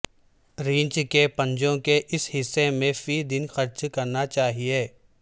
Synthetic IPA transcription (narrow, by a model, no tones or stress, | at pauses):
ɾĩːɲt͡ʃkepɐ̃ɲd͡ʒõkeʔɪsɦɪsːemẽfid̪ɪnxɐɾt͡ʃkɐɾnat͡ʃaːɦieː